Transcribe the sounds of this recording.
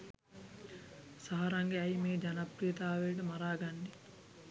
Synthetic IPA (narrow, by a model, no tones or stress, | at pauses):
saɦɐɾɐŋɡeɐjmeːd͡ʒɐnɐpɾijɐt̪aːʋeːʈɐmɐɾaːɡɐɳɖi